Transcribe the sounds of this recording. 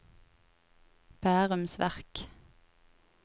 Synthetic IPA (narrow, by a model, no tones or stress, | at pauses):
b̥æːʁʉmsʋæ̰ʁk